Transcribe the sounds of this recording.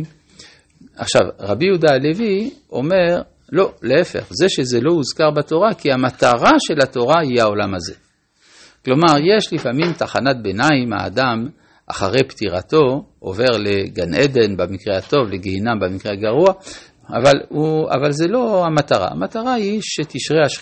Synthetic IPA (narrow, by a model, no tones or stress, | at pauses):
aχʃa̰vʁabijud̪ale̞vio̞̰me̞ʁ | lo̞leefe̞̰χze̞ʃe̞ze̞lo̞muzkaʁbato̞ʁakiamat̪aʁaʃe̞lat̪o̞ʁaihao̞lamaze̞ | klo̞maʁje̞ʃlifamimt̪aχanat̪̚benaima̰ːd̪am | ʔa̰χaʁe̞jpt̪iʁat̪o̞o̰ve̞ʁle̞ɡanʔed̪e̞nbamikʁehat̪o̞vleɡehinambamikʁeaɡaʁua | a̰valua̰valze̞lo̞amat̪aʁa̰a̰mat̪aʁaiʃet̪iʃʁeaʃ